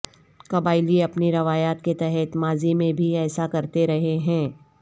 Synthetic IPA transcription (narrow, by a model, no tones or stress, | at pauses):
kɐbaːɪliɐpniɾɐʋaːjaːt̪̚ket̪ɛɦɛt̪maːzimẽbʱiɛːsakɐɾt̪eɾɐɦeɦɛ̃ː